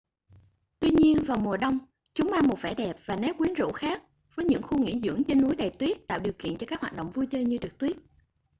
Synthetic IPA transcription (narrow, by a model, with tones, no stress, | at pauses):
t̪wi˧ɲi˧ənvaː˨˩wmu˨˩əɗə˧wŋ͡m | t͡ɕʊ˨˦ŋ͡mʔaː˧mo˨˩t̚fɛ˧˩ɗɛ˨˩p̚vaː˨˩nɛ˨˦p̚kwi˨˦ənzṵ˧˥xaː˦˥k̚ | vəː˨˦jɲɨ̰˧˥ŋxu˧ŋḭ˧˥zɨ̰˧˥əŋt͡ɕe˧nːu˨˦jɗə˨˩jt̪wi˦˥ət̚t̪a̰ː˧˨wɗi˨˩əwkḭ˧˨nt͡ɕɔ˧kaː˦˥khwaː˨˩t̚ɗə̰˧˨wŋ͡mvu˧jt͡ɕəː˧ɲɨ˧t͡ɕɨ˨˩k̚t̪wi˦˥ət̚